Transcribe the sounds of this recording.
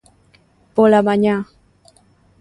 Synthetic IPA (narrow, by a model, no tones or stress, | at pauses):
polamaɲa